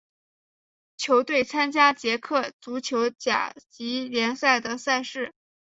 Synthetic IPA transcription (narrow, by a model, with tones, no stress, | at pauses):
t͡ɕʰjo˧˥ʊt̪we˥˩ɪt͡sʰa˥nt͡ɕja˥t͡ɕjɛ˧˥kʰɤ˥˩t͡su˧˥t͡ɕʰjo˧˥ʊt͡ɕja̰˨˩t͡ɕi˧˥ljɛ˧˥nsa˥˩ɪd̪ə˩sa˥˧ɪʂɻ̩˥˩